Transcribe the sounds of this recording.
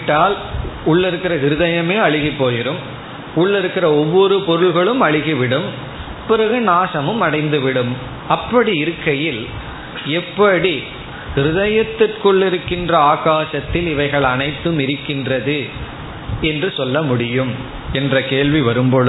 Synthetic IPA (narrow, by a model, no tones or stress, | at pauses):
ʈːaːlʊɭːɪɾɯkːɪɾɐɦɪɾɯðɐjɐmeːɐɻɪɣipːoːjɪɾɯm | ʊɭːɪɾɯkːɪɾɐɔʋːɔɾɯpɔɾɯɭɣɐɭɯmɐɭɪɣiʋɪɽɯm | pɪɾɐɣɯnaːsɐmɯmɐɽɐɪnd̪ɯʋɪɽɯm | ɐpːɐɽiɪɾɯkːɐjɪl | ɛpːɐɽi | hɪɾɯðɐjɐt̪ːɪrkʊɭːɪɾɯkːɪndrɐaːɣaːʂɐt̪ːɪlɪʋɐɪɣɐɭɐnɐɪt̪ːɯmɪɾɯkːɪndrɐðɯ | ɛndrɯsɔlːɐmʊɽɪjɯm | ɛndrɐkeːɭʋiʋɐɾɯmpɔɭ